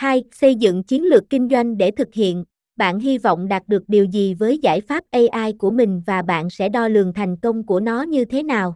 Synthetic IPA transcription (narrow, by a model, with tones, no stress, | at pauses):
ha˧jsə˧jzɨ̰˧˨ŋt͡ɕi˨˦ənlɨ˨˩əkːï˧ŋ̟zwa˧jŋ̟ɗe˧˩t̪ʰɨ˨˩k̚hḭ˧˨ən | ɓa̰ː˧˨nɦi˧va̰˧˨wŋ͡mɗaː˨˩t̚ɗɨ˨˩ək̚ɗi˨˩əwzi˨˩vəː˨˦jza̰ː˧˩jfaː˦˥p̚ʔə˧jʔaː˧jku˧˩əmï˨˩ŋ̟vaː˨˩ɓa̰ː˧˨nsɛ̰˧˥ɗɔ˧lɨ˨˩əŋt̪ʰɛ˨˩jŋ̟kə˧wŋ͡mku˧˩ənɔ˨˦ɲɨ˧t̪ʰe˨˦naː˨˩w